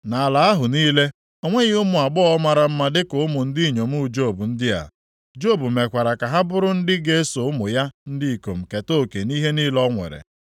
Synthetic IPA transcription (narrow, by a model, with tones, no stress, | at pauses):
na˨a˨la˨a˦ɦʊ˨niː˦le˦ | o˦ŋʷe˦ɣɪ˦ʊ˦mʊ˨a˨ɡ͡bɔ˦ma˨ɾa˨m̩˦ma˦dɪ˦kʊ˨ʊ˦mʊ˨n̩˦dɪ˦i˨ɲo˨m̩˦u˦˨d͡ʒo˦˨bu˨n̩˦dɪ˦a̰˨ | d͡ʒo˦˨bu˨me˨kʷa˨ɾa˨ka˨ɦa˦bʊ˦ɾʊ˦n̩˦dɪ˦ɡe˦e˦so˨ʊ˦mʊ˨ja˦n̩˦dɪ˦i˨ko˨m̩˨ke˨to˦˨ke˨ni˦ɦe˦ni˦lɔ˦ŋʷḛ˨ɾḛ˨